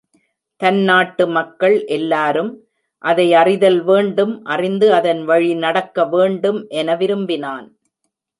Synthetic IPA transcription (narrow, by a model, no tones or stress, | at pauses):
t̪ɐnnaːʈːɯmɐkːɐɭʔɛlːaːɾɯm | ʔɐðɐɪɐrɪðɐlʋeːɳɖɯmʔɐrɪnd̪ɯɐðɐnʋɐɻinɐɽɐkːɐʋeːɳɖɯmʔɛnɐʋɪɾɯmbɪnaːn